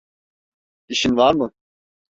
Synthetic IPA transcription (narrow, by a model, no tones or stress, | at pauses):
iʃinʋaɾmɨ